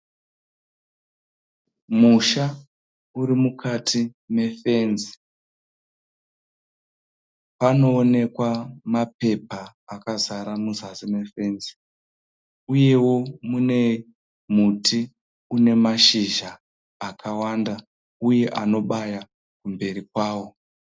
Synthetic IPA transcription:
muʃa | uɾimukʰatʰime̞fe̞ːnzi̥ | pano̞ːne̞kwamape̞paːkazaɾamuzasimefe̞ːnzi̥ | uje̞wo̞mune̞ | muti | une̞maʃiʒaː | kʰawanda | uje̞ʔano̞ɓaja | kumbe̞rik̚waːwo̞

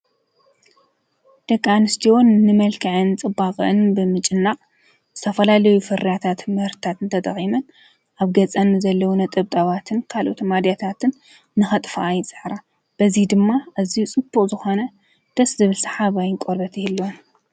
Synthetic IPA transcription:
d̪̥ɐkʼːanɨst̪ʰiwo̞nːɨmɐlkʰɨʕɨnt͡sʼɨbːaχʼʔɨnbɨmɨt͡ʃʼɨnːaχʼ | zɨ̥t̪ʰɐfɐlalɐjufɨɾjat̪ʰat̪mɐhɾt̪ʰat̪ɨnt̪ʰɐt̪ʼɐ̰χʼimɐn | ʔaβɡɐt͡sʼɐnɨzɐlːɐwunɐt̪ʼɐβt̪ʼɐβat̪ʰɨnkʰalʔo̞̰t̪mad̪jat̪ʰat̪ʰɨnː | ɨxɐt̪ʼfʔajt͡sʼɨħɾa | b̥ɐzid̪ɨmːaʔaziut͡sʼɨb̥ːuχʼzɨxo̞nɐ | d̪̥ɐszɨβɨlsɨ̥ħaβajɪnkʼoɾbɐt̪ʰihɨlːon

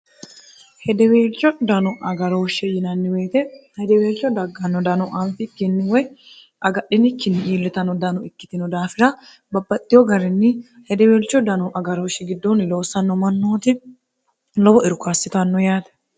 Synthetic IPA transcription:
hɛd̪ɛweːlt͡ʃːɔd̪ɐnɔʔɐɡɐɾoːʃːɛjɪnɐnːɪweːt̪ɛhɛd̪ɛweːlt͡ʃːɔd̪ɐɡːɐnːɔd̪ɐnɔʔɐmfɪkːɪnːɪwɔj | ʔɐɡɐɗːɪnɪkːɪnːɪʔiːlːɪt̪ɐnːɔd̪ɐnɔɪkːɪ̥t̪ɪnɔd̪aːfɪɾɐ | bɐbːɐt̪ʼːɪjɔɡɐɾɛnːɪ | hɛd̪ɛweːlt͡ʃːɔd̪ɐnɔʔɐɡɐɾoːʃːɛɡɪd̪ːoːnɪlo̞ːsːɐnːɔmɐnːoːt̪ɪ | lɔbɔɪɾʊkaːsːɪt̪ɐnːɔjaːt̪ɛ̥

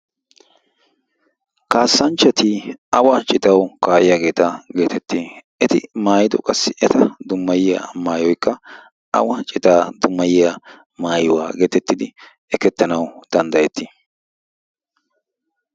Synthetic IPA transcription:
kaːsːɐnt͡ʃːɐt̪iɐwɐt͡ʃʼɪt̪ɐwkaːʔɪjaɡe̞ːt̪aɡe̞ːt̪ʰɛt̪ːiːʔɛt̪ɪmaːjɪd̪ɔ̰kʼɐsːɪʔɛt̪ɐd̪ʊmːɐjɪjɐ̰maːjɔjkːɐ | ʔɐ̰wɐt͡ʃʼɪt̪aːd̪ʊmːɐjɪjɐ | maːjwa̰ːɡe̞ːt̪ɛt̪ːɪd̪ɪ | ɛkɛt̪ːɐnɐwd̪̥ɐnd̪ɐjɛt̪ːɪ

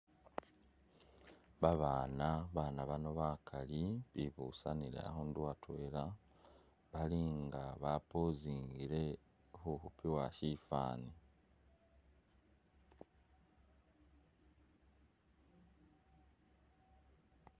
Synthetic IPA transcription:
βaβaːnaβaːnaβano̞βakʰaliβiβuːsaniɾḛa̰honduwatwe̞ːla | βaliŋɡaβapoziːŋɡiɾe̞ | huhupiwaʃifa̰ːni

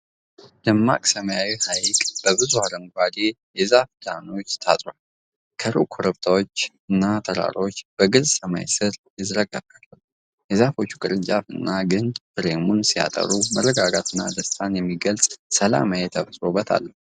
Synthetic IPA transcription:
d̪əmːa̰kʼsəməjawihajkʼb̥əbɨzuhaləŋɡʷad̪ejɛzafd̪ano̞t͡ʃːt̪ʰa̰t̪ʼɾall | kʰəɾukʰoɾəβt̪ʰawot͡ʃː | ɨnːat̪ʰəɾa̰ɾo̞t͡ʃːb̥əɡɨlsəma̰jsɨɾjɪzɾəɡaɡalːə | jɛzafot͡ʃːu̥kʼɨɾɨnt͡ʃʼafɨnːaɡɨnbɨɾemunsija̰t̪ʼə̰ɾumərːəɡaɡat̪ʰɨnːa̰d̪əst̪ʰanjɛmːiɡəlsʼsəla̰majet̪ʰəfsʼɾo̞bət̪ʰa̰lːə

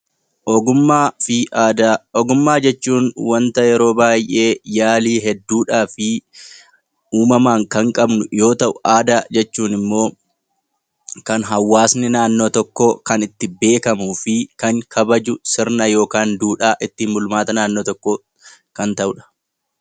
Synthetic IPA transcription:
ʔɔɡʊmːaːfɪd̪aɔɡʊmːaːd͡ʒɛt͡ʃːuːnwɐnt̪ɐjɛɾo̞ːbaːjʔe̞ːjaːliːɦɛd̪ːuːᶑaːfɪ | uːmɐmaːŋkɐŋkʼɐbnʊjo̞ːt̪ɐʔʊʔaːd̪aːd͡ʒɛt͡ʃːuːnɪmːo̞ː | kɐnɦɐwːaːsnɪnaːnːo̞ːt̪ɔkːokɐnɪt̪ːɪbe̞ːkɐmuːfɪkɐŋkʰɐbɐd͡ʒʊsɪɾnɐjo̞ːkaːnd̪uːᶑaːʔɪt̪ːiːnbʊlmaːt̪ɐnaːnːoːt̪ɔkːo | kɐnt̪ɐʔʊᶑɐ̥

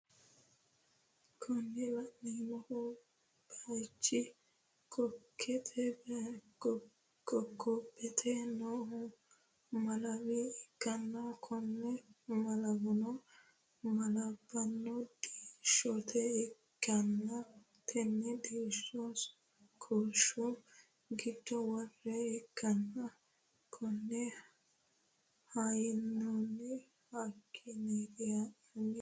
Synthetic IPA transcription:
kʰɔnːɪlɐʔːinɔhʊ | b̥ɐt͡ʃːɪ | kʰɔkʰːɛt̪ʰɛ | ɡɔkʰːɔbɛt̪ʰɛnoːhʊ | mɐlɐwiɪɡːɐnːɐkʰɔnːɛmɐlɐbʊnɔ | mɐlɐbːɐnːɔd̪iːʃːɔt̪ʰɛɛkːɐnːɐ | t̪ʰɛnːɛd̪iːʃːɔs | kʰoːʃu | ɡɪd̪ːɔwɔrːɛːkːɐnːɐ | kʰɔnːɛ | hajɪnːonːɛ | hakʰːɪned̪ɪjɐ | ɐnː

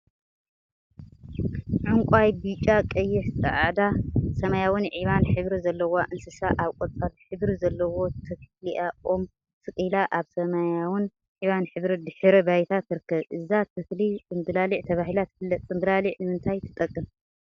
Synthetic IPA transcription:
ʕʊŋkʷʼajbit͡ʃʼakʼɐjːɪħsʼɐ̰ʕad̪asɐmajawɨnʕiβanħɨβɾizɐlːɐwoʔɨnsɨsaʔaβkʷʼot͡sʼalħɨβɾizɐlːɐwo̞t̪ʰɨkliʔaʔom | t̪ʰɨkʼɨlaʔaβsɐmajawɪn | ʕiβanħɨβɾid̪ɨħɨɾɐbajt̪ʰat̪ːɨɾɨkʰːɐβʔɨzat̪ʰɨkliɨnbɨlaliʕt̪ʰɐβahilat̪ʰɨ̥fɨlːɐt̪ʼːɨmbɨlaliʕnɨmɨnt̪ʰajt̪ʰɨ̥t̪ʼɐkʼːɨm

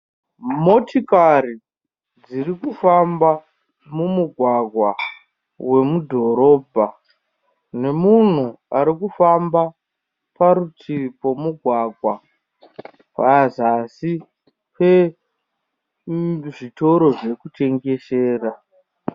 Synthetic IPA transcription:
mo̞tikaɾi | d͡zirikufamba | mumuɡʱwaɡʱwa | we̞mudʱo̞ɾo̞ːbʱa | ne̞mun̤u | aɾikufamba | paɾutʰipo̞muɡʱwaɡʱwa | pazasi | pe | ʐito̞ɾo̞ʐe̞kute̞ŋɡe̞ʃeːra

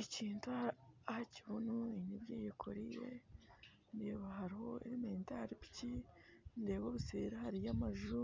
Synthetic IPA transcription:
iciːntuahaciβunuiɲibjiːjikʰoɾijḛ | ndeːβaɦaɾiho̞̰ḭɾimeːntaɾipi̥cindeːβoβiseːɾahaɾijamaʒu

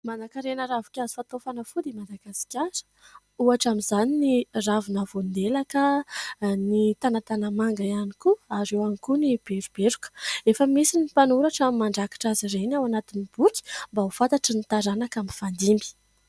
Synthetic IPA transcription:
manakaɾenəɾavu̥kʲazi̥fat̪ofanəfud̪emad̪aɡasi̥kʲaɾə̥ | uaʈ͡ʂamizaniniravunavond̪elakə | nit̪anat̪anəmaŋɡaianikuaɾewanikunib̥eɾub̥eɾukə̥efəmisinipanuɾaʈ͡ʂamimaɳɖ͡ʐakḁʈ͡ʂazirenawanat̪inib̥ukʲi̥mbaufat̪aʈ͡ʂənit̪aɾanakamifand̪imbi̥

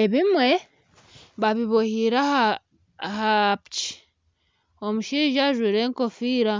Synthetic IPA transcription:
e̞βimwe̞ | βaβiβohiɾaha | hapt͡ʃi̥ | omuʃiːʒaʒwiːɾe̞ːŋko̞fiːɾa

